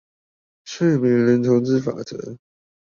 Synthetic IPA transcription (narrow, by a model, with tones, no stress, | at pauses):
ʂə˥˩mi˧˥˦ŋlə˧˥nt̪ʰo˧˥ʊt͡sɹ̩˥˩fa̰˨˩t͡sə̰˧˥˦